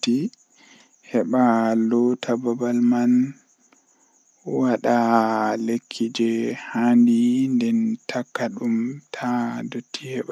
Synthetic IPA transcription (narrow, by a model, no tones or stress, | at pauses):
ti | hɛɓalɔtʰababalman | waɗalekʰːid͡ʒɛhandindɛntʰakːaɗumtʰadotʰːihɛɓa